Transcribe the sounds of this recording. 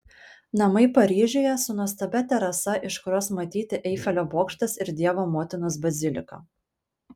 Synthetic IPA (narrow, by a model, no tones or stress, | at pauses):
nɐmɐɪpɐɾʲiːʒʲoːjɛsʊnɔst̪ɐbʲɛt̪ʲɛɾɐsɐʔɪʃkʊɾoːsmɐt̪ʲiːt̪ʲɪʔɛɪfʲɛlʲoːboːkʃt̪ɐsɪɾd̪ʲiɛʋoːmoːt̪ʲɪnʊsbɐzʲɪlʲɪ̰kɐ̰